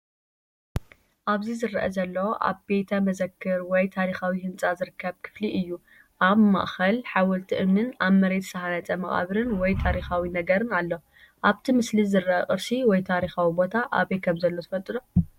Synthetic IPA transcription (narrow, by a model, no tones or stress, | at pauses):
ʔaβzizɨrʔɐ̰zɐlːɐʔa̰βbet̪ʰɐmɐzɐkʰːɨɾwɔjt̪ʰaɾixawihɨnt͡sʼazɨɾɨkːɐβkʰɨ̥fliʔɨjːu | ʔaβma̰ʔxɐlħawɐlt̪ʰiʔɨmnɨnaβmɐɾe̞t̪sɐhanɐt͡sʼɐmɐχʼa̰βɾɨnwɔjt̪ʰaɾixawinɐɡɐɾɨnalːo | ʔaβt̪ʰimɨslizɨrːɐʔɐkʼɨɾsiwɔjt̪ʰaɾixawibo̞t̪ʰaʔa̰βekʰɐmzɐlːozɨfɐlt̪ʼɨd̪o